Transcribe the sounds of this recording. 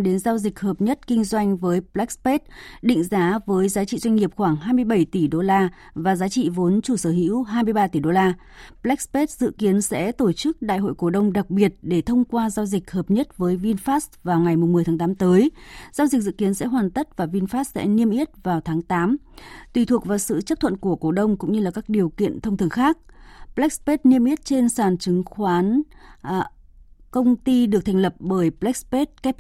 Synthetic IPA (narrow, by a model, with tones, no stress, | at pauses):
ɗe˨˦nzaː˧wzi˨˩k̟̚həː˨˩p̚ɲə˦˥t̚kï˧ŋ̟zwa˧jŋ̟vəː˨˦jplɛ˦˥k̚spe˦˥t̚ɗḭ˧˨ŋ̟zaː˨˦vəː˨˦jzaː˨˦t͡ɕḭ˧˨zwa˧jŋ̟ŋi˨˩əp̚xwaː˧˩ŋɦaː˧jmɨ˧əjɓə˧˩jt̪i˧˩ɗo˧laː˧ | vaː˨˩zaː˨˦t͡ɕḭ˧˨vo˨˦nt͡ɕu˧˩səː˧˩ɦḭ˧˥wɦaː˧jmɨ˧əjɓaː˧t̪i˧˩ɗo˧laː˧ | plɛ˦˥k̚spe˦˥t̚z̥ɨ̰˧˨ki˨˦ənsɛ̰˧˥t̪o˧˩t͡ɕɨ˦˥k̚ɗa̰ː˧˨jhɦo̰˧˨jko˧˩ɗə˧wŋ͡mɗa˨˩k̚ɓi˨˩ət̚ɗe˧˩t̪ʰə˧wŋ͡mkwaː˧zaː˧wzï˨˩k̟̚həː˨˩p̚ɲə˦˥t̚vəː˨˦jvi˧nfaː˦˥svaː˨˩wŋa˨˩jmʊ˨˩ŋ͡mmɨ˨˩t̪ʰaː˨˦ŋt̪aː˨˦mt̪əː˨˦jzaː˧zi˨˩k̟̚zɨ̰˧˨ki˨˦ənsɛ̰˧˥ɦwaː˨˩nt̪ə˦˥t̚vaː˨˩vi˧nfaː˦˥s̚sɛ̰˧˥ni˧əmʔi˦˥ət̚vaː˨˩wt̪ʰaː˨˦ŋt̪aː˨˦m | t̪wi˨˩t̪ʰu˨˩ək̚vaː˨˩wsɨ̰˧˨t͡ɕə˦˥p̚t̪ʰə̰˧˨nku˧˩əko˧˩ɗə˧wŋ͡mkʊ̰˧˥ŋ͡mɲɨ˧laː˨˩kaː˦˥k̚ɗi˨˩əwkḭ˧˨ənt̪ʰə˧wŋ͡mt̪ʰɨ˧˩əŋxaː˦˥k̚plɛ˦˥k̚spe˦˥t̚ni˧əmʔi˦˥ət̚t͡ɕe˧nsaː˧˩nt͡ɕɨ˨˦ŋxwaː˨˦n | kə˧wŋ͡mt̪i˧ɗɨ˨˩k̚t̪ʰa˨˩ŋ̟lə˨˩p̚ɓəː˧˩jplɛ˦˥k̚spe˦˥t̚kɛ˦˥p̚